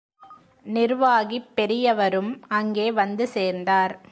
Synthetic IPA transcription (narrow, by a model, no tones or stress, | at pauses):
nɪɾʋaːɣipːɛɾɪjɐʋɐɾɯmɐŋɡeːʋɐnd̪ɯseːɾnd̪aːɾ